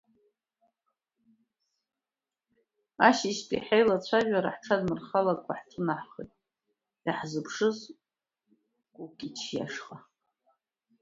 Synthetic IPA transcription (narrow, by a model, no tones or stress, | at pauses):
aʃiʃtʼḭħejlat͡ɕʷʰaʒʷᶣaɾa̰ħʈ͡ʂʰadmɨrχalakʷʼaħtʰɨnaħχḛjtʼ | aħzɨpʰʂɨz | kʷʼukʲʼit͡ʃʰja̰ʂqʼa